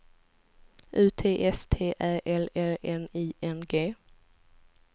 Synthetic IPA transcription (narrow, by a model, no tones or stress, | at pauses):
ʔʉ̟ːt̪ʰeːʔɛst̪ʰeːʔæːʔɛlɛlɛniːʔɛnɡeː